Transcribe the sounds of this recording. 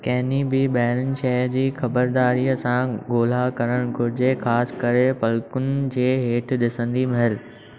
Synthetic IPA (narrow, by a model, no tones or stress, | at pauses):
kɐɦɪnibɪɓɐɦɪɾənɪ̆ʃɐɦd͡ʑiːxɐbəɾd̪aːɾiːəsãɡoːl̤akɐɾəɽ̃kʊɾɪd͡ʑexaːskɐɾepɐlkʊnɪ̆d͡ʑeːɦeːʈʰɗɪsə̃nd̪imɐɦɪl